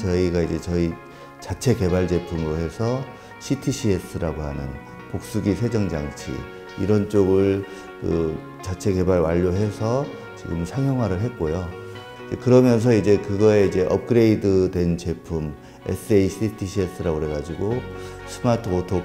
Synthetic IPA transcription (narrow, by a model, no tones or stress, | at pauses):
t͡ɕʌiɡaid͡ʑe̞t͡ɕʌi | t͡ɕat͡ɕʰe̞ke̞baɭt͡ɕe̞pʰumɯɾoɦe̞sʰʌ | ɕʰitʰiɕʰies͈ɯɾaɡoɦanɯn | pok̚s͈uɡisʰe̞d͡ʑʌŋd͡ʑaŋt͡ɕʰḭ | ḭɾʌnt͡ɕ͈oɡɯɭ | kɯ | t͡ɕat͡ɕʰe̞ke̞baɭwaʎːoɦe̞sʰʌ | t͡ɕiɡɯmsʰaŋjʌŋwaɾɯɭɦe̞t̚k͈ojo | ekɯɾʌmjʌns̬ʰʌid͡ʑe̞kɯɡʌe̞id͡ʑe̞ʔʌ̰p̚k͈ɯɾe̞idɯdwe̞nt͡ɕe̞pʰum | ḛs͈ʰɯeiɕʰitʰiɕʰies͈ɯɾaɡoɾe̞ɡad͡ʑiɡosʰɯmatʰɯotʰo